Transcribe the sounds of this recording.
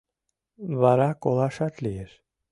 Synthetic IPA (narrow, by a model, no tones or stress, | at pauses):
vaɾakɔlˠaʃat̪lɪjɪɾ̥